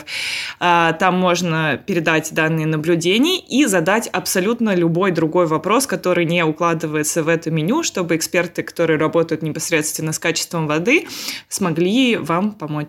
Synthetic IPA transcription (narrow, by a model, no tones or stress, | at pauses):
at̪amːo̞ʐnəpʲɪɾʲɪd̪atʲd̪anːɨjənəblʲʉdʲenʲɪjəʔizɐd̪atʲɐpsɐlʲut̪nəlʲʊbo̞jd̪ɾʊɡo̞jvɐpɾo̞skɐt̪o̞ɾɨjnʲeʊklˠad̪ɨvəjɪt̪səvɛt̪ʊmʲɪnʲuʂt̪o̞bɨɪkspʲe̞rt̪ɨkɐ̥t̪o̞ɾɨjəɾɐbo̞t̪əjʊt̪nʲɪpɐsɾʲe̞t̪st̪vʲɪnːəskat͡ɕɪ̥st̪vəmvɐd̪ɨsmɐɡlʲivampɐmo̞t͡ɕ